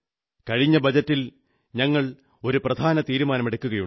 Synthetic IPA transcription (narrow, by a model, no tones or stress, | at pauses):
kɐɻiɲːɐbɐd͡ʑɐtːil | ɲɐŋːɐɭ | o̞ɾuprɐd̪ʱaːnɐt̪iːɾumaːnɐmeɽɐkʲːuɣɐjuɳ